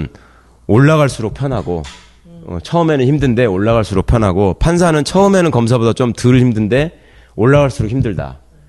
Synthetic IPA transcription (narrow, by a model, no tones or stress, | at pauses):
n | oɭːaɣaɭs͈uɾok̚pʰjʌnɦaɡo | ʌ̰t͡ɕʰʌɯme̞nɯnçimdɯnde̞oɭːaɣaɭs͈uɾok̚pʰjʌnɦaɡopʰans̬ʰanɯnt͡ɕʰʌɯme̞nɯnkʌmsʰabodat͡ɕomtɯɾɯɭçimdɯnde̞ | oɭːaɣaɭs͈uɾokhʰimdɯɭda̰